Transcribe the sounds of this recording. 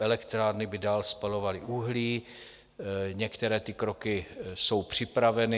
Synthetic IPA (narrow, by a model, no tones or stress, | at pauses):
ʔɛlɛkt̪ɾaːɾnɪbɪdaːlspalo̞valɪʔuɦliː | ɲɛkt̪ɛɾɛːt̪ɪkɾokɪso̞wpr̝̥ɪpɾavɛnɪ